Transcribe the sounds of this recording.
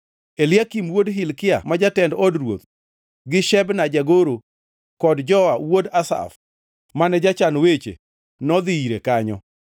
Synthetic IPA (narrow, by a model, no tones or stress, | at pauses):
elɪjakimwodɦɪlkɪa̰mad͡ʒatɛndɔdrwo̰t̪ | ɡɪʃɛbnad͡ʒaɡoɾo | kɔdd͡ʒɔawodasa̰f | manɛd͡ʒat͡ʃanwet͡ʃḛ | nɔd̪ɪiɾekaɲɔ̰